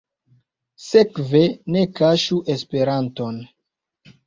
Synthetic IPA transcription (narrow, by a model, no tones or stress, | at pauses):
se̞kve̞ne̞kaʃuʔe̞spe̞ɾanto̞n